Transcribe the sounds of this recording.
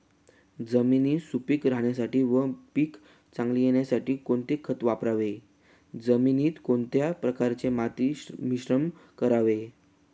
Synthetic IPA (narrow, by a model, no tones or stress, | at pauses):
d͡zəminiːsupikɾaɦɳjasaʈiːʋəpiːk | t͡sãŋɡlijeɳjasaʈiːkoɳt̪ekʰːət̪ʋapɾaʋe | d͡zəminiːt̪koɳt̪japɾəkaɾt͡semat̪imiɕɾəmkəɾaʋe